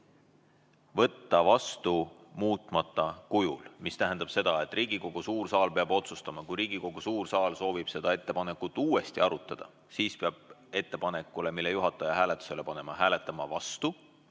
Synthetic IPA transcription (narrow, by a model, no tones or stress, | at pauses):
vɤ̞t̪ːɑvɑst̪umuːt̪ˑmɑt̪ːˑɑkujṵlmist̪æɦænd̪̥ɑb̥se̞d̪̥ɑe̞t̪ːˑriːɡiko̞ɡ̥usuːrsɑːlpe̞ɑbo̞t̪sust̪ɑmɑkujɾiːɡ̥iko̞ɡ̥usuːrsɑːlso̞ːvib̥se̞d̪̥ɑe̞t̪ːe̞pɑne̞kːˑut̪ːˑuːwe̞st̪iɑɾut̪ːˑɑd̪̥ɑ | siːspeɑb̥̚e̞t̪ːe̞pɑne̞kːˑule̞milːejuɦɑt̪ːˑɑjɑɦæːlet̪ːˑu̥se̞le̞pɑne̞mɑhæːle̞t̪ːˑɑmɑvɑst̪u